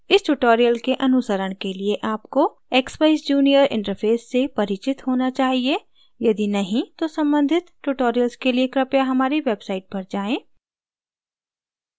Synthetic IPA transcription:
ɪsʈuʈoːɾijəlkeʔɐnʊsəɾəɽ̃kelieʔaːpko | eːkspaɪsd͡ʒuːnijəɾɪ̰̃ɳʈəɾfʰeːsːepɐɾit͡ʃɪt̪ɦoːnat͡ʃaːɦie | jɐd̪inɐɦĩt̪osɐ̃mbə̃nd̪ʱɪt̪ʈuʈoːɾijəlskeliekɾɐpjaɦɐmaːɾiʋeːbsaːɪʈ̚bʱɐɾd͡ʒaːẽː

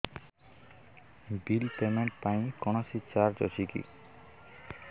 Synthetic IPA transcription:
bilpemeɳʈpaj̃kɔnasit͡ɕaɾd͡ʑɔ̰t͡ɕʰikḭ

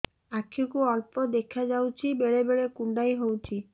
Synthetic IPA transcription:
akʰɔkuɔɾpɔd̪ekʰad͡ʒawt͡ʃʰibeɭebeɭekuɳɖajɦowt͡ʃʰi

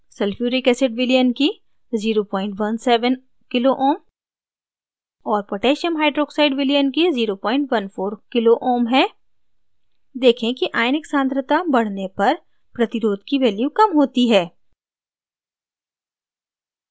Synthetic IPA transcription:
sɛlfjuːɾikɛːsɪɖʋɪlijənki | ziːɾopɔ̃ːɪ̃ɳʈʋɐnsɛːʋən | kɪloʔoːm | ɔːɾpoʈeːʃəmɦaːɪɖɾoːksaːɪɖʋɪlijənkiziːɾopɔːɪ̃ɳʈʋɐnfʰoːɾkɪloʔoːmɦɛː | d̪eːkʰẽkiʔaːɪnɪksãːnt̪ɾət̪abɐɽ̤nepɐɾ | pɾɐt̪ɪɾoːd̪kiʋɛːljukɐmɦoːt̪iɦɛː

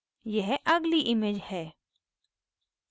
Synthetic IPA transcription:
jɛɦʔɐɡliʔɪmeːd͡ʒhɛː

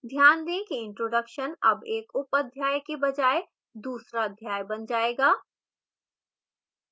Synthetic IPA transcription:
d̪ʱjaːnd̪ẽkiɪ̃ɳʈɾoːɖəkʃənɐ̰beːkʊpəd̪ʱjaːjkebɐd͡ʒaːe | d̪uːsɾad̪ʱjaːjbɐnd͡ʒaːeːɡaː

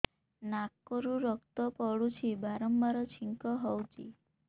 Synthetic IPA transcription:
nakːɔɾuɾɔkt̪ɔpɔɽut͡ʃʰibaɾɔmbaɾɔt͡ʃʰiŋkɔɦɔwt͡ʃʰḭ

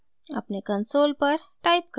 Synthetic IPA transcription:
a̰pnekənsolpəɾʈaip̚kə

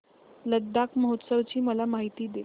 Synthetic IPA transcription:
ləd̪ʱːakməɦot̪səʋt͡ɕiːməlamaɦit̪iːd̪e

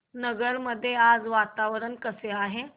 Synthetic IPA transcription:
nəɡəɽməd̪ʱːjead͡zʋat̪aʋɾənkəseaɦe

